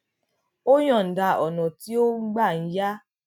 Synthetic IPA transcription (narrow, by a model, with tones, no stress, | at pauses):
o˦j̃ɔ̃˦˨n̩˨da˧˨ɔ˨nɔ̃˨ti˦o˦ɡ͡ba˦˨n̩˦ja˦